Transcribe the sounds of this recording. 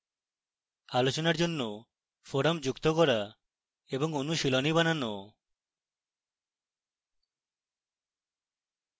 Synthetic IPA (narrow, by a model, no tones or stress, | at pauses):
alot͡ʃɔnaɾd͡ʒonːɔ | pʰɔɾamd͡ʒukt̪ɔkɔɾa | ebɔŋonuʃilɔnibananɔ